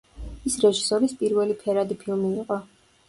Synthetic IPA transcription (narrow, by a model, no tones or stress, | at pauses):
isɾɛʒisɔɾispʼiɾvɛlipʰɛɾad̪ipʰilˠmiːqʼɔ